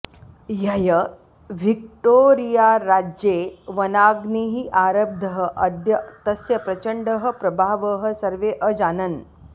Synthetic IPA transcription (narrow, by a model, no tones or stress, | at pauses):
jɐjɐ | ʋik̚ʈoːɾijaɾaːd͡ʒjeːʋɐnaːɡniɦiʔaːɾɐb̚d̪ʱɐɦə̆ʔɐd̪jɐt̪ɐsjɐpɾɐt͡ʃɐɳɖəɦɐ̆pɾɐbʱaːʋəɦɐ̆sɐɾʋeːʔəd͡ʒaːnɐn